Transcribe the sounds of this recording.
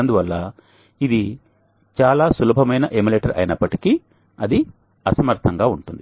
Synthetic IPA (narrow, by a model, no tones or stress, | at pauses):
nd̪uʋɐlːaː | id̪i | t͡ʃaːlaːsulɐbʱɐmɐjnɐʔemileːʈɐɾɐ̰jnɐpːɐʈiki | ɐd̪i | ɐsɐmɐɾt̪ʰɐŋɡaːuɳʈund̪i